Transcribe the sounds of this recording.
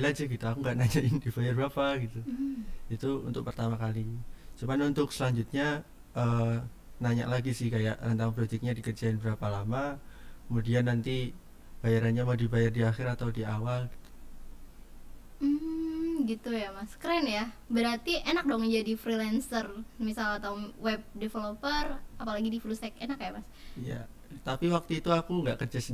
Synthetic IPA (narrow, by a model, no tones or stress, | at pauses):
ilad͡ʒaɡit̪aːkuŋɡaʔnad͡ʒaʔɪndibajarbapaɡit̪uit̪uṵnt̪ʊk̚pərt̪amakalit͡ʃumanunt̪ʊksəlaɲd͡ʒut̪̚ɲa | ʔə | naɲa̰ʔlaɡisɪhkajaʔrənt̪aŋpɾoit̪ɪk̚ɲadikərd͡ʒaɪnbəɾapalamakəmudianːant̪i | b̥ajaɾanɲamadibajardiaxɪɾat̪awdiawalɡi̥t̪u̥ | m̩ɡit̪ujamaskɾɛnja | bəɾart̪iʔenak̚dɔŋəɲd͡ʒadifɾilɛnsərmisalat̪auwɛb̚defelopərapalaɡidifulusɛk̚enakːajaʔmas | ija | t̪apiwak̚t̪uit̪uakuŋɡaʔkərd͡ʒas